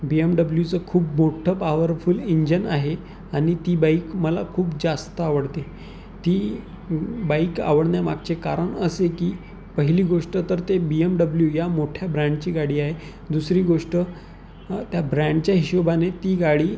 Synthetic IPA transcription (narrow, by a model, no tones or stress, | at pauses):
biemɖəbljut͡səkʰuːpmoʈʰəpaʋəɾfuliɲd͡ʑənaɦe | aɽ̃it̪iːbaikməla̰kʰuːpd͡zast̪əaʋəɽt̪e | t̪iː | baika̰ʋəɽnjama̰ɡ̚t͡ɕekaɾəɳəsekiː | pəɦiliːɡoʂʈət̪əɾt̪ebiəmɖəbljujamoʈʰjabɾaɳɖt͡ɕiːɡaɽiːaɦe | d̪usɾiːɡoʂʈə | t̪jabɾãɳɖt͡ɕjaɦiɕobanet̪iːɡaɽiː